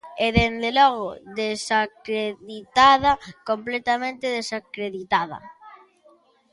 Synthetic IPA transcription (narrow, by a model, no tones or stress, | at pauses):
eðend̪elɔɣoðesakɾeðit̪aðɐkomplɛt̪amẽnt̪eðesakɾeðit̪aðɐ̰